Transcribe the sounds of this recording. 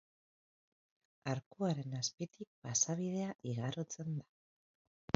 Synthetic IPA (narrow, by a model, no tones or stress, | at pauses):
aɾkuaɾe̞naspit̪ik̚pasaβ̞ið̞e̞aʔiɣarot͡se̞nd̪a